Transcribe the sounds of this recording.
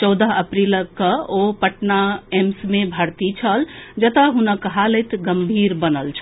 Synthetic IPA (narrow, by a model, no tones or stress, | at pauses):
t͡ʃɔwd̪əɦəpɾiləkːəopəʈnaemsmebʱəɾt̪it͡ʃʰəld͡ʒət̪əɦunəkːəɦaləjt̪ɡəmbʱiɾbənəlt͡ʃʰə̥